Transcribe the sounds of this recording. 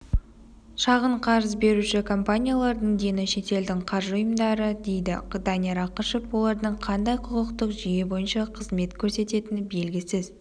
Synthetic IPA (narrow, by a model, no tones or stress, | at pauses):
ʃɑʁəɴqʰɑɾəzbe̞ɾuʃɪkʰo̞mpanʲijalˠɑɾd̪əɴd̪e̞nɪʃe̞t̪e̞ld̪ɪŋqʰɑɾʒʊjəmd̪ɑɾəd̪e̞jd̪ɪ̰qd̪aneɾɑqəʃepwo̞lˠɑɾd̪əɴqʰɑnd̪ɑjqʰʊqəqt̪əqʒije̞bo̞jənʃɑqʰəzme̞t̪kʲʰɵɾse̞t̪e̞t̪ɪnbe̞lɡʲɪsɪz